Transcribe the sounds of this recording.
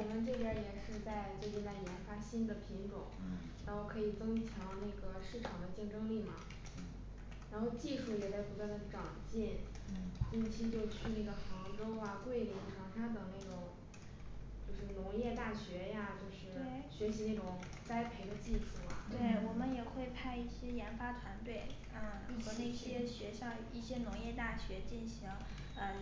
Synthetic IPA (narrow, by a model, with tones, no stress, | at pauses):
wɔ˨˩mə˧˦nʈ͡ʂɤ˥˩ə˧˥jɛ˨˩ʂɻ̩˥˧t͡sa˥˧ɪt͡sɤ˥˧ki˥˩t͡sa˥˩ɪjɛ˧˥nfa˥ɕi˥nd̪ə˨pʰi˧˥ŋʈ͡ʂʊ̰˨˩˦ŋɻa˧˥nxo˥˩ʊkʰɤ˧˥i˨˩t͡sɤ˥ŋt͡ɕʰjɑ˧˥ŋna˥˩ɡə˩ʂɻ̩˥˩ʈ͡ʂʰɑ˨˩ŋd̪ə˦t͡ɕɛ˥˩nʈ͡ʂɤ˥ŋli˥˩mɐ̰˩ | ɻa˧˥nxo˥˧ʊt͡ɕi˥˧ʂu˥˩jɛ˨˩t͡sa˥˩ɪpu˧˥t̪wa˥˩nd̪ə˩ʈ͡ʂɑ˨˩ŋt͡ɕi˥˩n | t͡ɕi˥˧nt͡ɕʰi˥t͡ɕjo˥˧ʊt͡ɕʰy˥˧na˥˩ɡə˩xɑ˧˥ŋʈ͡ʂo˥ʊɐ˧kwe˥˩ɪli˧˥ŋʈ͡ʂʰɑ˧˥ŋʂa˥t̪ɤ˨˩ŋna˥˩ɪʈ͡ʂʊ˨˩˦ŋ | t͡ɕjo˥˧ʊʂɻ̩˥˩nʊ˧˥ŋjɛ˥˧t̪a˥˩ɕɥɛ˧˥ja˥˧t͡ɕjo˥˧ʊʂɻ̩˥˩we˥˩ɪɕɥɛ˧˥ɕi˧˥ne˥˩ʈ͡ʂʊ˨˩ŋ | ka˥ɪpʰe˧˥ɪd̪ə˧t͡ɕi˥˩ʈ͡ʂʰu˧˥˩mɐ˩t̪we˥˩˥ɪ˩wɔ˨˩mə˦njɛ˨˩xwe˥˧ɪpʰa˥˧ɪi˥˩ɕjɛ˥jɛ˧˥nfa˥t̪ʰwa˧˥nt̪we˥˩ɪ˥˩ | xɤ˧˥ne˥˩ɪɕjɛ˥ɕɥɛ˧˥ɕjɑ˥˧ʊi˥˩ɕjɛ˥nʊ˧˥ŋjɛ˥˧t̪a˥˩ɕɥɛ˧˥t͡ɕi˥˩nɕi˧˥ŋ | ə˥˧˩